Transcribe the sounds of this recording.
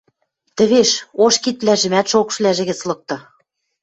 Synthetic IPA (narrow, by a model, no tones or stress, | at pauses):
t̪ɘ̆βeʃoʃkit̪̚βlæʒɘ̆mæt̪ʃokʃlæʒĕɣɘ̆t͡slɤ̆k̚t̪ɤ̆